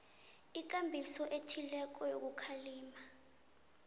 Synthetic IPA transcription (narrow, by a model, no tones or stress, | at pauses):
ik̬ʼambʱisɔʔetʰilɛk̬ʼɔjo̰k̬ukʰaliːma